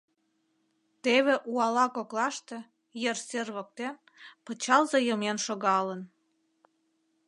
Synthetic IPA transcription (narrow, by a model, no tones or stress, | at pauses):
t̪eβeʔuɑlɑkoklɑʃt̪e | jerserβək̚t̪en | pət͡ɕɑlzejəmenʃoɣɑlən